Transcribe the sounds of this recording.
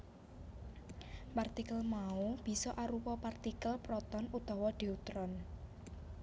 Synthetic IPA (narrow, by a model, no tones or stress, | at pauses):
part̪ikəlmaub̥i̤sɔʔaɾupɔpart̪ikəlpɾɔt̪ɔnut̪ɔwɔd̪̥i̤ut̪ɾɔn